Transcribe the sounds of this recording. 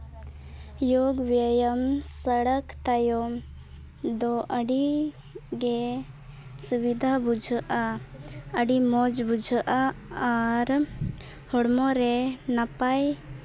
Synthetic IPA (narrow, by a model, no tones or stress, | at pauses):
joɡʋjajəmsəɽəkt̪ajɔm | d̪ɔʔəɽi | ɡe | suβid̪ʱabud͡ʒʱʔa | əɽimɔd͡ʒbud͡ʒʱəʔaː | ɾ | hɔɽmɔɾɛnapaj